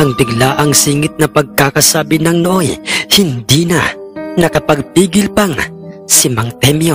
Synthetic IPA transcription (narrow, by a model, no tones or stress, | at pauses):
ʔɐŋbɪɡlaːʔɐŋsiːŋɪt̪̚nɐpɐɡ̚kakɐsaːbɪnɐŋnoʔojhɪnd̪iːnɐ̰nɐkɐpɐɡ̚piːɡɪlpɐŋ | sɪmɐŋt̪ɛmjo